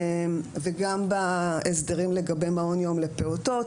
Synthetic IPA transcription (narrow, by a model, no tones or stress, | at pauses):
mveɡambaesd̪eʁimle̞ɡabe̞jmaonjo̞mle̞peot̪o̞t